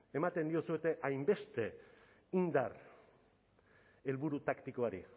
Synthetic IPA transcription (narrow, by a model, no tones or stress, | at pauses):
e̞mat̪e̞nd̪iosue̞t̪e̞ʔajmbe̞st̪e̞ | ind̪ar | e̞lβuɾut̪akt̪iko̞aɾḭ